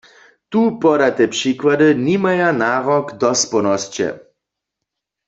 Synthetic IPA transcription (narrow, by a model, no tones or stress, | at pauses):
t̪upɔɾat̪epʂikwadənimajanaːʁɔkd̪ɔspɔnɔst͡ɕɛ̰